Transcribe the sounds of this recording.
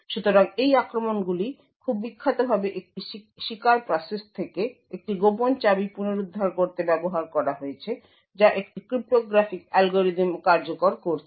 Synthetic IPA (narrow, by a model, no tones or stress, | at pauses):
ʃut̪oɾaŋejakɾomonɡuli | kʰubːikʰːat̪obʱabeʔek̚ʈiʃ | ʃikaɾpɾɔsest̪ʰeke | ek̚ʈiɡopont͡ɕabipuneɾud̪ʱːaɾkoɾt̪ebɛboɦaɾkɔɾaɦoet͡ɕʰe | d͡ʑaʔekʈikɾip̚ʈoɡɾafikɛlɡoɾid̪imkaɾd͡ʑokoɾkoɾt͡ɕʰe̥